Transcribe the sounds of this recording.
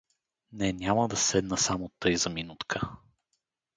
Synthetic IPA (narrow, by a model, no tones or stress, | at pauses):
nɛnʲaməd̪ɐsɛd̪nəsamot̪ɤjzɐminut̪kʰə